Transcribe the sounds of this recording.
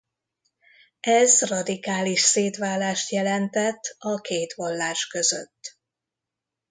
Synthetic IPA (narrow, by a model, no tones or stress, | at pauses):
ɛzrɒd̪ikaːliʃseːt̪ʋaːlːaːʃt̪jɛlɛnt̪ɛt̪ːɒkeːt̪ʋɒlːaːʃkøzø̰t̪ː